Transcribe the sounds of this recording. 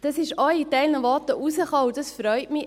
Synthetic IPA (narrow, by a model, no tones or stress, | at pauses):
d̥ɑsɪʃɔjitɛɪlnəʋɔtəʔusəχɑːud̥ɑsfɾœʏtmɪ